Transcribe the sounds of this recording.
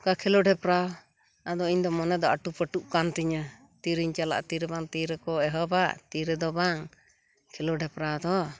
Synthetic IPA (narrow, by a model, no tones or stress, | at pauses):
kakʰɛlɔɖɛpɾaw | ad̪ɔiɲd̪ɔmɔnɛd̪ɔaʈupəʈuʔkant̪iɲə | t̪iɾiɲt͡ʃala̰ʔt̪iɾɛbaŋt̪iɾɛkɔɛɦɔbaʔt̪iɾɛd̪ɔbaŋ | kʰɛlɔɖɛpɾawd̪ɔ